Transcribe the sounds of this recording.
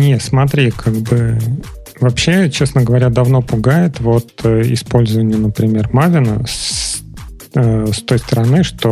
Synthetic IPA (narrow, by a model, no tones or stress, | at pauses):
nʲet̪smɐt̪ɾʲikʰaɡ̚bɨ | vɐpɕːe̞t͡ɕesnəɡəvɐɾʲad̪ɐvno̞pʊɡajɪt̪vo̞t̪əɪ̰spo̞lʲzəvənʲɪjənəpɾʲɪmʲe̞rmavʲɪnə̰s | əst̪o̞jst̪əɾɐnɨʂt̪o̞